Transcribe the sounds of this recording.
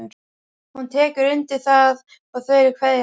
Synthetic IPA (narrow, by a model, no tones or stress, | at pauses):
hunt̪ʰɛːkʏɾʏnt̪ɪθað | aɣθvœjɾɪkʰvɛðɪ